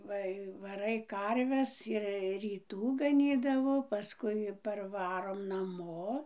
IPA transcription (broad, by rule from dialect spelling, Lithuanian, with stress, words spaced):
ˈʋɐ ɪ ʋɐˈrɐɪ ˈkɐrʲʋʲɛs ɪr rʲiːˈtuː ɡɐˈnʲiːdɐʋoː pɐˈskʊɪ pɐrˈʋɑːroːm nɐˈmoː